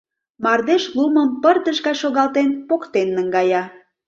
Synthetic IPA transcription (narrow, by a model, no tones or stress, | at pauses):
mɑrd̪eʃluməmpərt̪əʒɣɑʃoɣɑlt̪enpokt̪enːəŋɡɑjɑ